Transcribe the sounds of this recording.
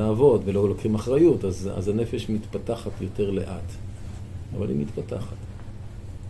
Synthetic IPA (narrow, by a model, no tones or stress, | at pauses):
aːvo̞dvelo̞lokχimaχʁajutaza̰zane̞feʃmit̪pataχatjo̞te̞ʁle̞̰ʔat̪ | ava̰lḭmit̪pata̰χat